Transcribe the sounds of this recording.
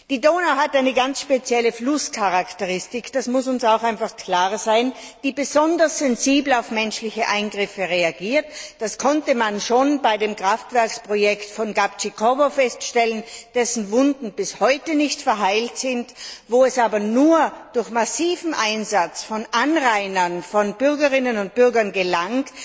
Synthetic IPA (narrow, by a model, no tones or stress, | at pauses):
d̥iːdoːnaɦatʔaɪnəɡansʃpet͡sjɛləflʊskʰaʁaktəʁɪstɪkd̥asmʊsʊnsaʊxaɪnfaχkʰl̥aːʁzaɪnd̥iːbəzɔndɐsz̥ɛnziːbl̩aʊfmɛnʃlɪçəʔaɪnɡʁɪfəʁeaɡiːɐtd̥askʰɔntəmanʃoːnbaɪdeːmkʁ̥aftv̥ɛɐkspʁ̥ojɛktfɔnɡapt͡ʃikʰɔvofɛstʃtɛlənd̥ɛsn̩vʊndn̩bɪshɔʏtənɪçtfɛɐɦaɪltz̥ɪntvoːɛsaːbɐnuːɐd̥ʊɐçmasiːvm̩ʔaɪnzat͡sfɔnʔanʁaɪnɐnfɔnb̥ʏɐɡəʁɪnənʊnt̚b̥ʏɐɡɐnɡəlaŋt